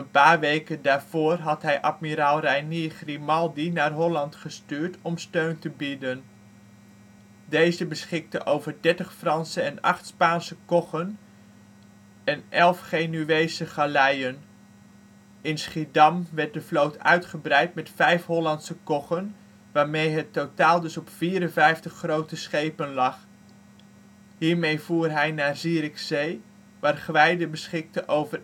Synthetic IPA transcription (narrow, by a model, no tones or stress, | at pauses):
ənpaːɹʋejkəndaːɹv̥oːrɦɑtɦɛjʔatmiɾalˠrɛjniχrimɑlˠdinaːrɦɔlɑntχəstyːɹtɔmstøɥntəbidən | dejzəbəsχɪk̚təʔowvəɹdɛɹtəχfrɑnsəɛnɑ̰χtspaːnsəkɔχən | ɛnʔɛlˠfχeːnyʋejsəχalɛjən | ɪnsχidɑmʋɛɹt̚dəflowtœ̰ɥtχəbrɛjtmɛtfɛjfɦɔlɑntsəkɔχən | ʋaːɹmejɦətːowtaːlˠdɵsɔpfiːɾənvɛjftəχːrowtəsχejpənlɑχ | ɦiːɹmejvuːrɦɛjnaːrziːɾɪksej | ʋaːrχʋɛjdəbəsχɪk̚təʔowvər